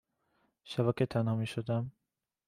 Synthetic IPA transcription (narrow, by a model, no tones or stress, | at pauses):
ʃæbæket̪ʰænhɒːmiːʃod̪æm